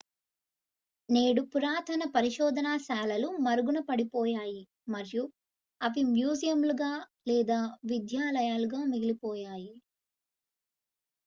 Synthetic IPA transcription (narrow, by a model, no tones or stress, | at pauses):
ne̞ːɽupuɾaːt̪ʰɐnɐpɐɾiʃɔːd̪ʱɐnaːʃaːlɐlumɐɾuɡunɐpɐɽipɔːjaːji | mɐɾju | ɐʋimjuːzijɐmluɡaːlɛːd̪aːʋid̪jaːlɐjaːluɡaːmiɡilipɔːjaːji